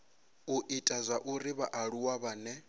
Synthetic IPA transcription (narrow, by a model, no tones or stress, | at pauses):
uʔitʼazʷaʔuɾiβaʔaɺuwaβaːnɛ